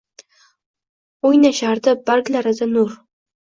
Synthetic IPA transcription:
ojnaʃaɾd̪ɪbaɾɡlaɾɪzanʊɾ

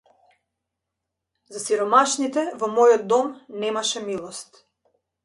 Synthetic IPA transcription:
zasiɾɔmaʃnit̪ɛvɔmɔjɔd̪̚d̪ɔmnɛmaʃɛmilˠɔst̪

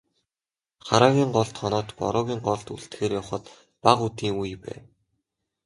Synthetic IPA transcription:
χaɾaːɣʲiːɴɢɔɮt̪χɔnɔːt̪pɔ̰ɾʊːɣʲiːŋɢɔɮt̪uɮt̪xeːɾjɔwχə̆t̪ | paʁut̪iːŋujpæ̰ː

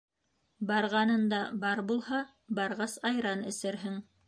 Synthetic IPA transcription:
bɑɾʁɑnɤnd̪ɑbɑɾbulˠhɑ | bɑɾʁɑsɑjɾɑnɘ̆sɘ̆ɾɦɘŋ

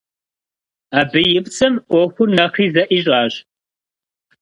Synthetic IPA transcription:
abɨjɪpt͡sʰʼɨmʔʷɔxʷʊnɐχiːzɐʔiːʑʼaːɕ

